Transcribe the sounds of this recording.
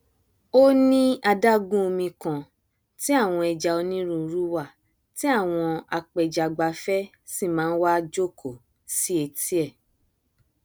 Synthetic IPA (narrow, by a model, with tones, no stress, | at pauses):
o˦nĩ˦a˧da˦ɡũ˦o˧mĩ˧kã˨ | ti˦a˦˨w̃ɔ̃˧ɛ˧d͡ʒa˧o˧nĩ˦ɾũ˦˧ɾu˦wa˦˨ | ti˦a˦˨w̃ɔ̃˧a˧k͡pɛ˨d͡ʒa˨ɡ͡ba˧fɛ˦ | si˦˨mãː˦n̩˦wa˦d͡ʒo˦˨kʰo˨ | si˦e˧ti˦ɛ˦˨